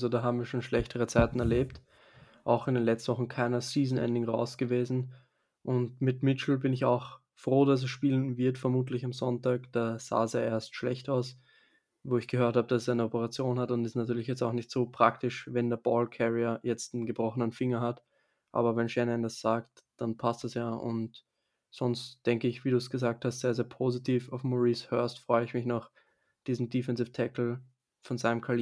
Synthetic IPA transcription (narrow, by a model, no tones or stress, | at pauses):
zodaːɦaːbm̩viːɐʃoːnʃlɛçtəʁət͡saɪtn̩ɛɐleːpt | ʔaʊxɪndeːnlɛt͡stn̩vɔχn̩kʰaɪnɐsiːzn̩ʔɛ̰ndɪŋʁa̰ʊsɡ̥əveːzn̩ | ʔʊntmɪtmɪt͡ʃl̩bɪnɪça̰ʊx | fʁ̥oːdas̬ɛsʃpiːlənvɪɐtfɛɐmuːt̬lɪçamzɔntaːkd̥aːz̥a̰ːsjaːʔeːɐstʃlɛçtaʊs | voːɪçɡ̥əhøːɐthaːbəd̥assaɪnəɔpəʁat͡sjoːnhatʊntɪstnatyːɐlɪçjɛt͡staʊxnɪçtz̥oːpʁ̥aktɪʃvɛndeːɐbɔːlkʰɛʁiɐjɛt͡stn̩ɡəbʁɔxənənfɪŋɐɦat | ʔa̰ːbɐvɛnʃɛnɛndasz̥aːkt | d̥anpʰastɛsjaːʔʊ̰nt | z̥ɔnstd̥ɛŋkəɪçv̥iːɾuːsɡ̥əzaːk̚thastz̥eːɐzeːɐpʰoːzitʰiːfaʊfmoʁiːshœɐstfʁ̥ɔʏəɪçmɪçnɔχ | d̥iːzn̩difɛnzɪftʰɛkl̩ | fɔnzaɪnəmkʰali